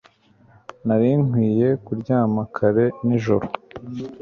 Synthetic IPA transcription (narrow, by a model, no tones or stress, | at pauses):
naɾiŋhwiːje̞kuɾɟaːmakʰaɾe̞niʒo̰ɾo